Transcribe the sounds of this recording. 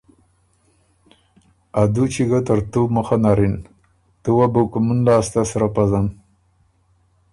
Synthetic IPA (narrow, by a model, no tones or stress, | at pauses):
ad̪ut͡ʃiɡat̪əɾt̪uməxanaɾin | t̪uwabukumunlaːst̪asɾapazan